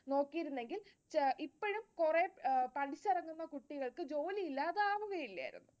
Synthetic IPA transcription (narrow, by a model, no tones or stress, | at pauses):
no̞ːkːijiɾunːe̞ŋɡil | ʔipːoɻumkurepɐɽit͡ɕːɐrɐŋːunːɐkuʈːiɣɐɭkɨd͡ʑo̞ːliilːaːðaːʋuɣɐjilːɐ̰jḭɾṵnːu